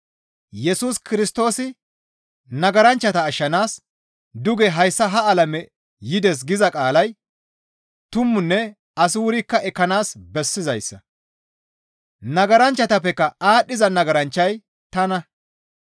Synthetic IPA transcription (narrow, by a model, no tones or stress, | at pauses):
jɛsuːskɪɾɪst̪o̞ːsɪ | nɐɡɐɾɐnt͡ʃːɐt̪ɐːʃːɐnaːs | d̪ʊɡɛɦɐjsːɐɦɐɐlɐmɛ | jɪd̪ɛs̬ɡɪzɐkʼaːlɐj | t̪ʊmːʊnːɛ | ɐs̬ɪwʊɾɪkːɐɛkːɐnaːsbɛsːɪzɐjsːɐ | nɐɡɐɾɐnt͡ʃːɐt̪ɐpːɛkːɐaːɗːɪzɐnɐɡɐɾɐnt͡ʃːɐj | t̪ɐnɐ